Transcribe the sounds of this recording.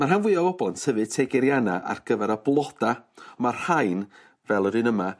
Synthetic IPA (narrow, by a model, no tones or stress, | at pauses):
marɦanvwɨɔwɔbɔntʰhəvɨtʰeɡɛɾjanaʔa̰rɡ̥əvɛɾəblˠɔd̥aɔmar̥haɨn | vɛlˠɔdɨnəma